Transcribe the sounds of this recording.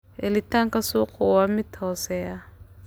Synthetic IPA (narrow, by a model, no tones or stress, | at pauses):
elitʰaŋkʼasukʰʼɔwamitʰɔsɛa